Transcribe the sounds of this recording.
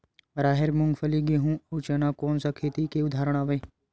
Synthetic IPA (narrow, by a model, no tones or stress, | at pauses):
ɾaːɦeɾmʊ̃ŋɡfʰəliɡeɦũʊt͡ʃənakoːnsakʰeːt̪ikeʊd̪ʱaːɾəɽ̃aːʋẽː